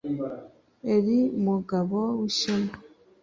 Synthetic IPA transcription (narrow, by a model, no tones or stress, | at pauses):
eɾimuɡaβowuʃema